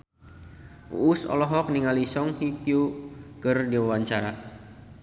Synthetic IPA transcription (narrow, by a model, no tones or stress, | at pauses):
ʔṵʔːsɔ̰lɔɦɔk̚niŋalisɔŋhikjukɨrdiwawaɲt͡ʃaɾa